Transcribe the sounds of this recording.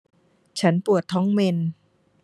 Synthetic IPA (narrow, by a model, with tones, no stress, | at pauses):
t͡ɕʰa˦˥npu˨˩ət̪ʰːɔː˦˥ŋme˧n